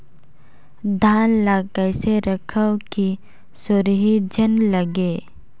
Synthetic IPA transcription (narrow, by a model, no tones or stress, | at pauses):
d̪ʱaːnlakəɪseɾəkʰəwki | sʊɾɦid͡ʒənləɡeː